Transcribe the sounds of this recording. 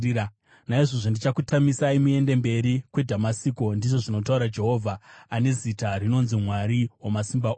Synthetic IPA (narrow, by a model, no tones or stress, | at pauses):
a | naiʐoʐondit͡ʃakutamisaimue̞nde̞mbe̞ɾikwe̞dʱamasiːko̞ndiʐo̞ʐino̞t̬auɾad͡ʒe̞ɦo̞vʱaːne̞zitaɾino̞nzimwaɾiwamasimbao